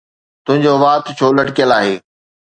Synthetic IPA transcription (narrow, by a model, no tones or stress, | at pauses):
t̪ʊ̃ɦɪ̃ɲd͡ʑoʋaːt̪t͡ɕʰoːlɐʈkijəlaːɦeː